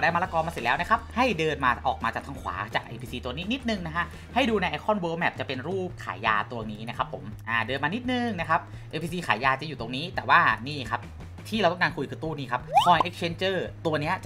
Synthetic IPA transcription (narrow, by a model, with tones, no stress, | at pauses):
a˨˩daː˧˩ma˧laː˧kɔː˧nmaː˧se˨˩lɛː˦˥wna˦˥kʰa˦˥p̚ha˥˩jdɤː˧nmaː˧ʔɔ̰ː˨˩k̚maː˧t͡ɕaː˨˩t̪ʰa˧ŋkʰwa̰ː˩˦t͡ɕaː˨˩k̚ʔḛː˧pʰiː˧siː˧u˧əniː˦˥ni˦˥t̪̚nɯ˨˩ŋna˦˥kʰa˦˥ʔ | ha˥˩jduː˧na˧jʔa˧jkʰɔ˥˩nwəː˦˥wmɛː˨˩p̚t͡ɕa˨˩pe˧nɾuː˥˩p̚kʰa̰ː˩˦ja̰ː˧t̪u˧ɐniː˦˥na˦˥˩kʰa˦˥pʰːo̰˩˦mʔaː˧˩dɤː˧nmaː˧ni˦˥t̪̚nɯ˨ŋna˦˥kʰa˦˥p̚ | ʔeː˧pʰiː˧siː˧xʰaː˩˦jaː˧t͡ɕa˨˩juː˨˩t̪o˧˩ŋniː˦˥t̪ɛː˨˩waː˥˩niː˥˩kʰa˦˥p̚ | t̪ʰiː˥˩ɾa˧wt̪a˦˥ŋkaː˧nkʰu˧jkʰɯː˧t̪uː˥˩niː˥˩a˦˥p̚kʰɔː˧ʔe˦˥k̚t͡ɕʰe˧˥nt͡ɕɤː˥˩t̪u˧ɐni˦˥ɐt͡ɕa˩